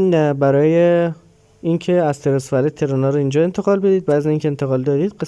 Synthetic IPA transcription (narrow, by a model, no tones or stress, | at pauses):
bæɾɒːje | incʰeæzt̪ʰeɾosfælet̪ʰːe̞ɾonɒːɾoind͡ʒɒːe̞nt̪ʰe̞ɣɒːlbe̞d̪iːd̪̚bæziziŋcʰeent̪ʰeɣɒːld̪ɒːd̪iːd̪ɢe